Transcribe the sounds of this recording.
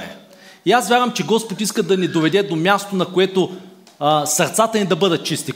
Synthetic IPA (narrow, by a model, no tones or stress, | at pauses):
ɛ | iasvʲjaɾvəmt͡ʃɛɡɔspot̪iskəd̪ɐnid̪ovɛd̪ɛd̪omʲast̪onɐkoɛt̪o | sɐɾt̪sat̪ɐnid̪ɐbɤd̪ət̪̚t͡ʃist̪i